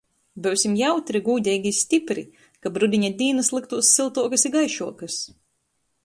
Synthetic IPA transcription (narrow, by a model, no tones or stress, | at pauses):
bɨwsʲimjawt̪ɾiɡuːd̪ʲɛjɡʲisʲt̪ʲipɾi | kabɾud̪ʲiɲʲad̪ʲiːnɨslˠɨk̚t̪uɔsːilˠt̪uɔkɐsiɡajʃuɔkɐs